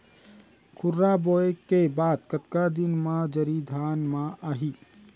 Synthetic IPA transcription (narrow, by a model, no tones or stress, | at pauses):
kʰʊɾːaboːekːebaːd̪kɐt̪kad̪ɪnmãd͡ʒɐɾid̪ʱaːnmãʔaːɦiː